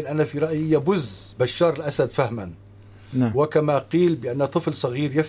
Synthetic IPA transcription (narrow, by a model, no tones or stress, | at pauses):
nʔanafiɾˤɑʔjjːabʊzbaʃːɑːɾˤɪlʔasad̪fahman | wɪkamaqiːlbɪʔanːat̪ˤɨflsˤɑɣiːɾjaf